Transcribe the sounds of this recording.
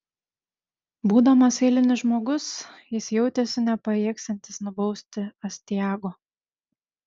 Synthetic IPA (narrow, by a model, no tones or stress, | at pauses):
buːd̪ɐmɐsɛɪlʲɪnʲɪʒmoːɡʊsjɪsjɛʊt̪ʲeːsʲɪnʲɛpɐeɛksʲɛnʲt̪ʲɪsnʊbɒʊsʲt̪ʲɪɐsʲt̪ʲɪjæːɡoː